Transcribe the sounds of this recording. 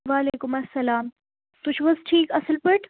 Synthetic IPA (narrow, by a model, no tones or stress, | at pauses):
ʋaːleːkʊmɐsːɐlaːm | t̪ut͡ʃʰʋɐsʈʰiːkɐsəlpəʈ